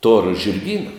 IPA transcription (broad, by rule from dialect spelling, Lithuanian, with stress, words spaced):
toːr ʒʲɪrʲˈɡʲiːnɐ